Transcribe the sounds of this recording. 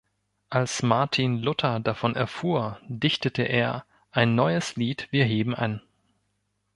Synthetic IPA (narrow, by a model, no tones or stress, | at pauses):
ʔalsmaɐtʰinlʊtʰɐdafɔnʔɛɐfuːɐdɪçtətʰəʔeːɐ | ʔaɪnːɔʏəsliːtv̥iːɐɦeːbm̩ʔa̰n